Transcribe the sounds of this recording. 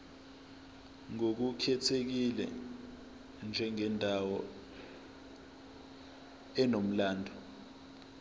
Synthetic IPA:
ŋok̬ukʰɛtʰek̬ilɛ̰ | nd͡ʒʱɛŋɛndʱawɔ | ɛnom̩laːndʱɔ

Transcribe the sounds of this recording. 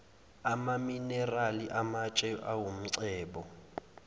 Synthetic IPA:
amaminɛraliʔamat͡ʃʼɛʔawum̩ǀɛːɓɔ

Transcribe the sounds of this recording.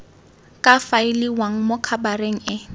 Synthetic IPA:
kʼafaɪliwaŋ̩mokʰabaɾeŋ̩ɪ

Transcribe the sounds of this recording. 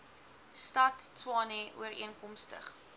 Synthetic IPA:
stɐtːʰwɑːnɛʔṵəriənkɔmstə̰χ

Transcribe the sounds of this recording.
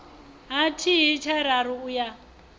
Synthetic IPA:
ɦatʰiɦit͡ʃʰaɾaɾuuja

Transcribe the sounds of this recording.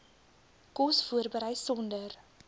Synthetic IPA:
kɔsfuərbəɾəjsɔndər

